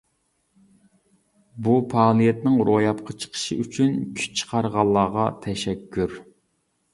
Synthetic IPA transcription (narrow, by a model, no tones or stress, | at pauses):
bupʰɑːlˠɨjɛt̪nɪŋɾojɑpqʰɑt͡ʃʰə̥qʰə̥ʃɨ̰yt͡ʃʰynkʲʰy̥t͡ʃʰə̥qʰɑɾʁɑlˠːɑːʁɑt̪ʰɛʃɛkʲʰːyɾ